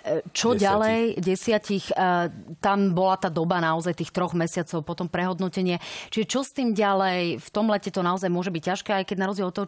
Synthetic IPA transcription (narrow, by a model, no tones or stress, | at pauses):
t͡ʃɔɟalɛɛjɟɛsɪacixt̪ambɔlat̪aːd̪ɔbanaɔzajt̪iːxt̪ɾɔɣmɛsɪat͡sɔʊpɔt̪ɔmpɾɛɦɔd̪nɔcɛɲɪɛt͡ʃiʒɛt͡ʃɔst̪iːmɟalɛjft̪ɔmlɛcɛt̪ɔnaɔzajmʊɔʒɛbic̚caʃkɛːajkɛɟnaɾɔzɟjɛlɔt̪ɔɦɔ